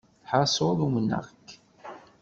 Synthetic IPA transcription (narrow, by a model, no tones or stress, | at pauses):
ħɑsˤoðumənːə̰ʁkː